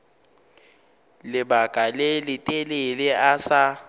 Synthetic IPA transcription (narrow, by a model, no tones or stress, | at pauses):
lɪbakʼalelɪtʼelelɛasa